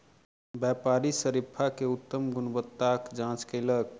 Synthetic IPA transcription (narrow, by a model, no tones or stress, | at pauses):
bjɛpaɾisəɾipʰakeut̪ːəmɡʊnbət̪ːakd͡ʒãt͡ʃkələɡ